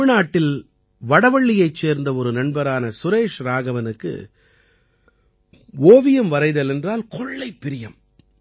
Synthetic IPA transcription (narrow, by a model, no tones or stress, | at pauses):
ɪnaːʈːɪl | ʋɐɽɐʋɐɭːɪjɐɪt͡ʃːeːɾnd̪ɐɔɾɯnɐɳbɐɾaːnɐsʊɾeːʂɾaːɣɐʋɐnɯkːɯ̰ | oːʋɪjɐmʋɐɾɐɪðɐlɛndraːlkʰɔɭːɐɪpːɪɾɪjɐm